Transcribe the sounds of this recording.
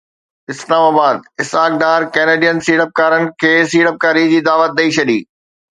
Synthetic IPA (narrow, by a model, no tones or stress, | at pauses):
ɪslaːmaːbaːd̪̚ɪsɦaːk̚ɖaːɾkɛːneːɖijənsiːɽəp̚kaːɾənɪ̆kʰeːsiːɽəp̚kaːɾid͡ʑiːd̪aːʋət̪̚ɗ̪ɐit͡ɕʰɐɗiː